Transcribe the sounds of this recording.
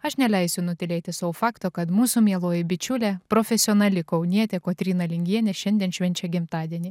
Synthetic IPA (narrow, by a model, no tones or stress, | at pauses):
ɐʃnʲɛlʲɛɪsʲʊnʊt̪ʲɪlʲeːt̪ʲɪsɐfɑːkt̪oːkɐt̪muːsumʲiɛlˠoːjɪbʲɪt͡ʃʲʊlʲɛpɾɔfʲɛsʲɪɔːnɐlʲɪkɐʊnʲiɛt̪ʲɛkoːt̪ʲɾʲiːnɐlʲɪŋʲɡʲiɛnʲɛʃʲɛnʲd̪ʲiɛnʃʲʋʲɛnʲt͡ʃʲɛɡʲɪmt̪ɑːd̪ʲiɛnʲiː